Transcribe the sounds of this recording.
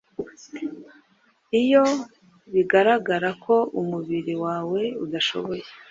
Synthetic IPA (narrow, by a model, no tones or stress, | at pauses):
ijo̞ | βiɡaɾaɡaɾakʰo̞ʔumuβiɾiwaːwe̞ud̪aʃo̞̰βo̞je